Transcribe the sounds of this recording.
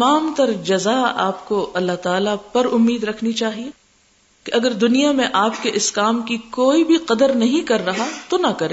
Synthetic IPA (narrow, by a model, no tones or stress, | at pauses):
ɐmaːmt̪ɐɾd͡ʒɐzaa̰ːpkoɐlːaɦt̪aːlapɐɾʊmːiːd̪ɾɐkʰnit͡ʃaːɦie | keʔɐɡəɾd̪ʊnijamẽʔaːpkeʔɪskaːmkikoːibʱiqɐd̪əɾnɐɦĩkɐɾːɐɦat̪onɐkɐɾẽː